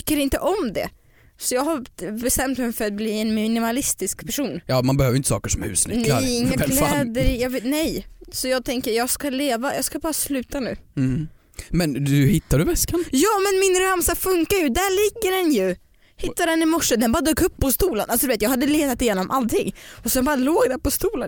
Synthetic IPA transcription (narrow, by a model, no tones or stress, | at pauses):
ʏkːəɾɪnt̪əʔɔmd̪ɛ̰ | sɔjɑːɡɦabɛst̪ɛmt̪mɛjfœɾat̪̚bliːɛnmɪnɪmalɪst̪ɪskppʰæʂuːnjɑːmanbɛhøːvəɾɪnt̪əsɑ̰ːkəʂɔmhʉ̰ːsnnlɛa̰ɾɪŋŋːaɡ̪ɛːd̪əɾjɑːvnɛjsɔjɑːɡ̚t̪ʰɛŋkəɾjɑːɡskaleːvajɑːskabɑːɾaslʉ̟ːt̪anʉ̟̰ː | mɛnd̪ɵhɪt̪ːaɖʉvɛskanjɑːmɛnmɪnɾamsafɵŋkaɾjɵd̪æɭɪɡːəɖɛnjɵ | hɪt̪ːadɛnɪmɔʂːəd̪ɛnbɑːɾad̪øːkɵpːɔst̪uːlənʔalsɔd̪ʉvet̪jɑːɡhad̪ːəleːt̪at̪ɪjeːnɔmʔalt̪ʰɪ̰ŋːɔsd̪ɛnbɑːɾaloːɡd̪æːɾpɔst̪uːlən